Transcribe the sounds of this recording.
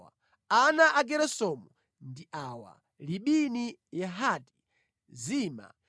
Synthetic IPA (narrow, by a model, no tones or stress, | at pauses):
a | anaʔaɡɛɾɛsɔmu | ndiʔaːwa̰ | liɓinijaɦaːti̥ | ziːma̰